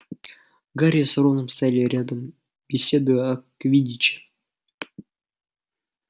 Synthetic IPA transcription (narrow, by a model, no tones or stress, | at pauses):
ɡaɾʲijəsoɾonəmst̪ajalʲɪɾʲad̪əm | bʲɪsʲed̪ʊjɐkvʲidʲit͡ɕɪ̥